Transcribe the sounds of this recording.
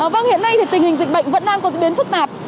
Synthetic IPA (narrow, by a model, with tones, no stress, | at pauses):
əː˨˩və˧ŋhḭ˧˨ənːa˧jt̪ʰi˨˩t̪ŋ̟hï˨˩ŋ̟zï˧˨k̟̚ɓə̰˧˨jŋ̟və̰˧˥nɗaː˧ŋkɔ˨˦zə˨˧˥ɓi˨˦ənfɨ˦˥k̚t̪aː˨˩p̚